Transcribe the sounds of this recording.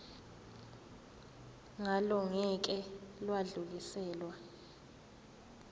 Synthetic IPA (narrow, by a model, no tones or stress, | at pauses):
ŋalɔŋɛk̬ɛlwaɮulisɛːlwa